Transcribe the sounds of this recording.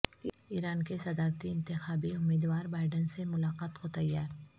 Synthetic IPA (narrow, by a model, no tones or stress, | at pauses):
iːɾaːnkesɐd̪aːɾt̪iɪ̃nt̪ɪxaːbiʊmeːd̪waːɾbaːɪɖənsemʊlaːqaːt̪kot̪ɐjːaːɾ